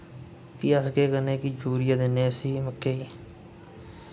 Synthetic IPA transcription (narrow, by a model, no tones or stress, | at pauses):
kiːəsɡeːkəneːkiːd͡ʒuːɾɪjaːd̪ɪneːsiːməkːeːiː